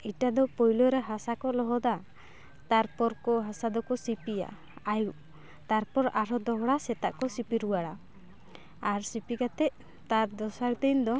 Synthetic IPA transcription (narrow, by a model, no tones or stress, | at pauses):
iʈad̪ɔpɔjlɔɾɛɦasakɔlɔɦɔd̪a | t̪aɾpɔɾkɔɦasad̪ɔkɔsipija̰ | ajuʔ | t̪aɾpɔɾaɾɔd̪ɔɦɔɽasɛt̪a̰ʔkɔsipiɾuwaɽa | aɾsipikat̪ɛʔ | t̪aɾd̪ɔsaɾd̪ind̪ɔ